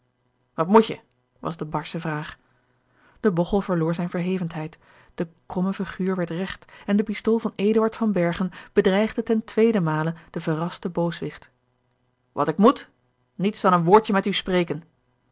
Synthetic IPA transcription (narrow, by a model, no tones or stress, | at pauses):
ʋɑtmucə̰ | ʋɑ̰zdəbɑɹsəvraːχ | d̥əbɔχəlˠvəɹlʊːɹzɛjnvəɹɦejvəntɦɛjt | d̥əkrɔməviχyːɹʋɛɹtrɛχtɛndəpistoːlˠvɑneːdəɑɹtfɑnbɛɹχənb̥ədrɛjχdətɛntʋejdəmaːləd̥əvərɑstəbowsʋɪχt | ʋɑ̰tɪkmut | nitsdɑnənʋʊːɹtəmɛtysprejkən